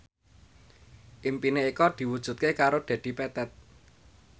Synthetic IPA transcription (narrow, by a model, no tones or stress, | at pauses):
ʔimpineikɔd̪̥i̤wud̥ʒ̥ṳt̪̚kekaɾod̥a̤d̥i̤pɛt̪ɛt̪̚